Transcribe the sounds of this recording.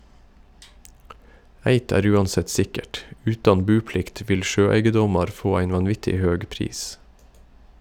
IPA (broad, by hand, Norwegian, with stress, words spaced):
ˈæɪt ˈæːɾ ˈʉːɑnˌsɛt ˈsɪkəʈ ˈʉːtɑn ˈbʉːˌplɪkt ˈʋɪl ˈʃøːˌæɪɡəˌdɔmɑɾ ˈfoː ˈæɪn ʋɑnˈʋɪtɪ ˈhøːɡ ˈpɾiːs